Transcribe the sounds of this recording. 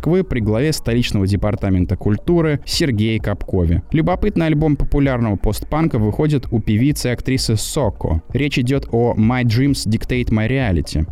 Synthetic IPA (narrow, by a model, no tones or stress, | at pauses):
kvɨpɾʲɪɡlˠɐvʲest̪ɐlʲit͡ɕnəvədʲɪpɐrt̪amʲɪnt̪əkʊlʲt̪uɾɨsʲɪrɡʲejkɐpko̞vʲɪ̰lʲʊbɐpɨt̪nɨjɐlʲbo̞mpəpʊlʲarnəvəpo̞st̪̚pankəvɨxo̞dʲɪt̪upʲɪvʲit̪sɨɪɐkt̪ɾʲisɨsoko̰ɾʲet͡ɕɪdʲo̞t̪omajdʐimsdʲɪkt̪ejt̪məɾʲɪalʲɪ̰tʲɪ̰